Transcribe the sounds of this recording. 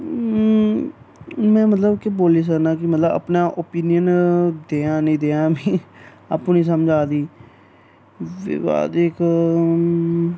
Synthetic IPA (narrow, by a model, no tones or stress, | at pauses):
mɛ̃ːmət̪ləbkɪboːliːs̬ənãːkɪmət̪ləbə̰pnaːʔoːpiːnɪjənd̪eːãːnəĩːd̪eːãːmĩː | a̰ːpũːnĩːs̬əmd͡ʒaːd̪iː | ʋ̰a̰ːd̪ɪk